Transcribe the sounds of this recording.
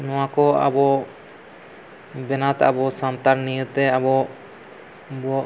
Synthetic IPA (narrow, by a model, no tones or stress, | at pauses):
nɔwakɔa̰bɔʔ | bɛnat̪aabɔsamt̪aɾnijət̪ɛabɔʔ | bɔʔ